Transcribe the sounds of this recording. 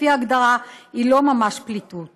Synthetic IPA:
iaːɡd̪aʁailo̞mamaʃplit̪ut

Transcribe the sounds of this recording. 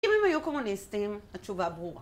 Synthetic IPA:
emɛ̃mãjokomũnestẽmat͡ʃubaboã

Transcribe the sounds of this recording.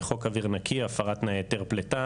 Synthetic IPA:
χo̞kaviʁnakʰiafaʁat̪najet̪eʁplet̪a

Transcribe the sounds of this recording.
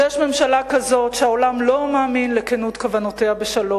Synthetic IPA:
jɛʃme̞mʃalakazo̞tʃehaolamlo̞maːminlekenutkavanoteabeʃalo

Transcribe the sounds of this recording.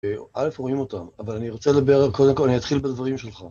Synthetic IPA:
eʔale̞fʁoimo̞t̪amavalaniʁot͡seled̪abeʁkod̪emkolanijat̪χilbed̪vaʁimʃelχa

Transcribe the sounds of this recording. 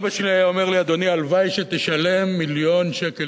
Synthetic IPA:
baʃeliajaomeʁliad̪o̞nialvajʃet̪eʃale̞mːiljo̞nʃeke

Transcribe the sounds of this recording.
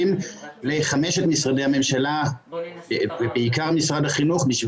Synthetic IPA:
imleχameʃetmisʁadejhame̞mʃala | vebeikaʁmisʁad̪haχinuχbiʃv

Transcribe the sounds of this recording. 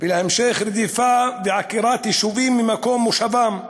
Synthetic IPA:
vɪlhamʃexɾd̪ifabɪʕakiɾaːt̪jɪʃuviːmːɪmakoːmuʃavam

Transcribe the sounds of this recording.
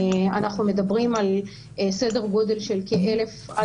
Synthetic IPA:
a̰naχnume̞d̪abʁimal | se̞de̞ʁɡo̞d̪e̞lʃe̞lkeʔele̞fa

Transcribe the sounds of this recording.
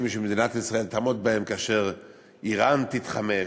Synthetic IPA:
mʃemed̪inat̪isʁae̞lt̪amot̪̚bahemkaaʃe̞ʁ | ʔiʁant̪it̪χame

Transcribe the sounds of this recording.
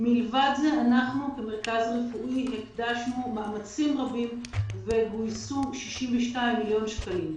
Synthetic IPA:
milvad̪zeanaχnukemeʁkazʁefuʔiɦekdaʃnumaamat͡simʁabimveɡujsuʃiʃimveʃtajmːiljo̞nʃkalim

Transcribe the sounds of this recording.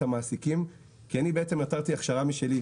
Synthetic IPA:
amaːsikim | kianibeet͡se̞mataʁt̪iaχʃaʁamiʃe̞li

